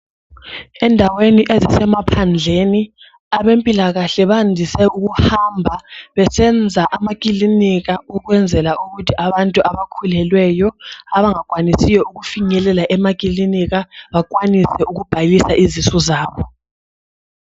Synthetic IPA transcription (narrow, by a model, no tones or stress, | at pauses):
ɛndʱaweniʔezisɛmapʰand͡ɮʱeni | aβempʼilaɣaɬɛβandʱisɛuɣ̬uhambʱaβɛsɛnd͡zʱaʔamak̬ʼiliniɣauɣwɛnd͡zʱɛlaʔuɣutʰiʔaβantʼuʔaβakʰulɛlwɛjɔaβaŋakʼwanisijɔuɣufiŋɛlɛlaʔɛmakʼiliniɣaβakʼwanisɛʔuɣub̥ʱalisaʔizisɔzaːβɔ